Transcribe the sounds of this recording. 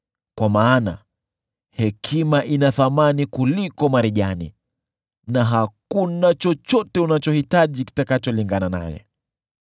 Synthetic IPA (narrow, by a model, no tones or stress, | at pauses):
kwamaːna̰ | hɛkʰimaʔinaθamanikulikɔmaɾiʄanḭ | naɦakunat͡ʃɔt͡ʃɔtɛunat͡ʃɔhitaʄiki̥takat͡ʃɔliŋɡanana̰jɛ̰